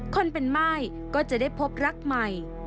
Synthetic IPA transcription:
kʰo˧npe˧nmaː˥˩j | kɔː˥˩t͡ɕa˨˩ʔdaː˥˩jpʰo˦˥p̚ɾa˦˥k̚ma˨˩j

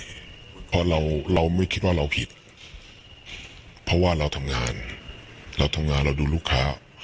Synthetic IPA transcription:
pʰɔ˧ɾa˧wɾa˧wma˥˩jkʰi˦˥t̪̚waː˥˩ɾa˧wpʰi˨˩t̪̚ | pʰɔ˦˥waː˥˩ɾa˧wt̪ʰa˧mŋaː˧n | ɾa˧wt̪ʰa˧mŋaː˧nɾa˧wduː˧luː˥˩kʰːa̰ː˦˥

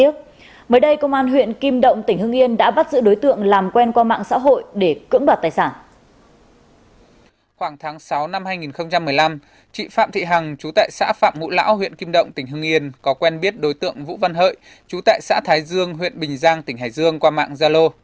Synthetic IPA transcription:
ək̚ | məː˨˦jɗə˧jkə˧wŋ͡mʔaː˧nɦwḭ˧˨ənki˧mɗə̰˧˨wŋ͡mt̪ï˩ŋ̟hɨ˧əŋʔi˧ənɗa̰ː˧˥ɓa˦˥t̚zɨ̰˧˥ɗo˨˦jt̪ɨ̰˧˨əŋlaː˨˩mkwɛ˧nkwaː˧ma̰ː˧˨ŋsa̰ː˧˥ɦo̰˧˨jɗe˧˩kɨ̰˧˥əŋɓaː˨˩t̚t̪aː˨˩jsaː˧˩n | xwaː˧˩ŋt̪ʰaː˨˦ŋsa˨˦wna˧mhaː˧jŋi˨˩nxə˧wŋ͡mt͡ɕa˧mːɨ˨˩əjla˧m | t͡ɕḭ˧˨faː˧˨mt̪ʰḭ˧˨ɦa˨˩ŋt͡ɕu˨˦t̪a̰ː˧˨jsa̰ː˧˥fa̰ː˧˨mŋṵ˧˥la̰ː˧˥wɦwḭ˧˨ənki˧mɗə̰˧˨wŋ͡mt̪ï˧˩ŋ̟ɦɨ˧əŋʔi˧ənkɔ˨˦kwɛ˧nɓi˦˥ət̚ɗo˨˦jt̪ɨ̰˧˨əŋvṵ˧˥va˧nɦə̰ː˧˨j | t͡ɕu˨˦t̪a̰ː˧˨jsa̰ː˧˥t̪ʰaː˨˦jzɨ˧əŋɦwḭ˧˨ənɓï˨˩ŋ̟zaː˧ŋt̪ï˧˩ɦaː˨˩jzɨ˧əŋkwaː˧ma̰ː˧˨ŋzaː˧lo˧

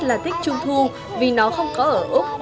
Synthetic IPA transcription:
laː˨˩t̪ï˦˥k̟̚t͡ɕʊ˧ŋ͡mt̪ʰu˧ | vi˨˩nɔ˨˦xə˧wŋ͡mkɔ˨˦ʔəː˧˩ʔu˦˥k͡p̚

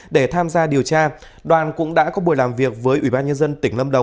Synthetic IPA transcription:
ɗe˧˩t̪ʰaː˧mzaː˧ɗi˨˩əwt͡ɕaː˧ | ɗwaː˨˩nkʊ̰˧˥ŋ͡mɗa̰ː˧˥kɔ˨˦ɓu˧˩əjlaː˨˩mvi˨˩ək̚vəː˨˦jʔwi˧˩ɓaː˧nɲə˧nzə˧nt̪ï˧˩ŋ̟lə˧mɗə˨˩wŋ͡m

